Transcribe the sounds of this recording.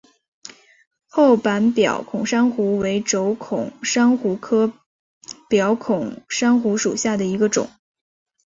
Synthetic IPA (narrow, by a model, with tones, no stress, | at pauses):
xo˥˩ʊpa˧˥npjɑ̰˨˩ʊkʰʊ˨˩ŋʂa˥ŋxu˧˥we˧˥ɪʈ͡ʂo˧˥ʊkʰʊ̰˨˩˦ŋʂa˥ŋxu˧˥kʰɤ˥ | pjɑ˧˥ʊkʰʊ˨˩ŋʂa˥ŋxu˧˥ʂu˨˩ɕja˥˩d̪ə˩i˧˥ɡə˧ʈ͡ʂʊ̰˨˩˦ŋ